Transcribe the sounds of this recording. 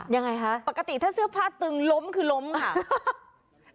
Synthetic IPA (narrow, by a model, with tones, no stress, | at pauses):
ja˧ŋːa˧jkʰa˦˥ʔpa˨˩ka˧t̪i˨˩t̪ʰaː˥˩sɯ˥˩ɐpʰaː˥˩t̪ːɯ˧ŋlo˦˥mkʰɯː˧lo˦˥mkʰa˥˩